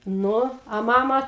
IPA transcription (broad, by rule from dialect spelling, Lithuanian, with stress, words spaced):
ˈnʊ ɐ ˈmɑːmɐ